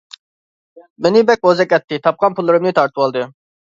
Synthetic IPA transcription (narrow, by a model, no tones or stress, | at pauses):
menɪbɛk̚ʲozɛkʲɛt̪ʰːɪt̪ʰɑp̚qɑnpʰulˠːɨɾɨmnɨt̪ʰɑɾt̪ʰɨwɑlˠd̪ɨ